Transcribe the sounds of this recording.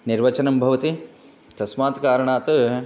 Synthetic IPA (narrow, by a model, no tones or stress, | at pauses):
niɾʋɐt͡ʃɐnɐmbʱɐʋɐt̪i | t̪ɐsmaːt̪kaːɾɐɳaːt̪ɐ